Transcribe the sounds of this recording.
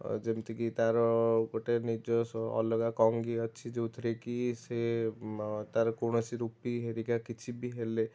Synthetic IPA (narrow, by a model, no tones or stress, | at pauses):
d͡ʒemt̪ikit̪aɾɔkoʈenid͡ʒɔsɔ̰lɔɡakɔŋɡiətːt͡ʃʰid͡ʒeut̪ʰɾekise | t̪aɾkoñɔsiɾupiɦeɾikakit͡ʃʰibʱiɦele